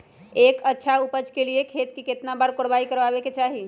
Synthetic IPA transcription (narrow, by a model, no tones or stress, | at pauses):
ekətːʃʰaupəd͡ʒkeliekʰet̪̚kiket̪nabaɾkoɽbaikəɾbabeket͡ʃaɦi